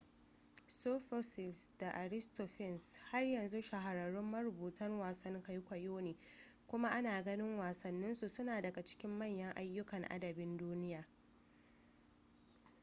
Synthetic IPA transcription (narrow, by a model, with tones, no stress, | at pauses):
soː˦fo˦sɪ˨lsda˨ʔa˨ɾɪ˦sto˨ɸɪ˦˨nsha˦rjɐ˨nzu˦ʃa˨ɦa˨ɾɐ˨ɾʊ˦mːɐ˦ɾʊ˨buː˨tɐ˦ŋwaː˨sɐ˦ŋkɐ˦jkʷɐ˨joː˦neː˨ | kʷʊ˦ma˦ʔa˦naː˨ɡɐ˦nɪ˦ŋwaː˨sɐ˨nːɪ˦nsu˨sʊ˦naː˨dɐ˨ɡa˨t͡ʃɪ̥˦kʲɪ˦mːɐ˦˨ɲjɐ˦ŋʔa˦jːʊ˦kɐ˨ŋʔa̰˦dɐ˨bɪ˦nduː˦nɪ˦jaː˨